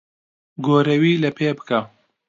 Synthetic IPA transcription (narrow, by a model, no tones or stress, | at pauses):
ɡoːɾɐwiːlɐpʰeːbɨka